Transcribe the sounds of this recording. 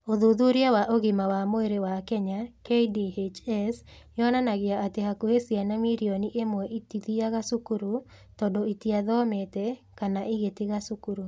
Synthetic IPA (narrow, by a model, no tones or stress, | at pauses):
oðuðuɾjawaʔoɣimawamoeɾewakɛɲakeidiet͡ʃɛs | jɔnanaɣjaʔːteɦakuhesianamiɾioniʔemwɛʔitiðiaɣasukuɾu | tɔdoitiaðɔmetɛ | kanaʔiɣeteɣasukuɾu